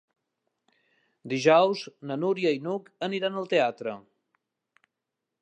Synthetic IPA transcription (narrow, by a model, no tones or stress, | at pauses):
d̪iʒɔwznənuɾiəinukəniɾanəlˠt̪eat̪ɾə